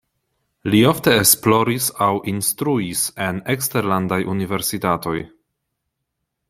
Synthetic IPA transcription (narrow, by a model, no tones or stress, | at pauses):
lio̞fte̞ːsplo̞ɾisawʔinst̪ɾuise̞neksteɾlandajʔunive̞ɾsitato̞j